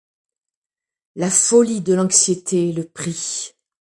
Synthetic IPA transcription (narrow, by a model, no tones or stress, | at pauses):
lafɔlid̪əlɑ̃ksjet̪ʰeləpχi